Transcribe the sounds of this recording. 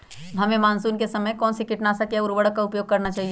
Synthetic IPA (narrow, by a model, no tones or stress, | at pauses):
ɐmẽmaːnsuːnkesɐməjkɔːnsikɪʈnasakjaʊɾʋəɽəkːaʊpjoːɡ̚kɐɾnat͡ʃaːɦie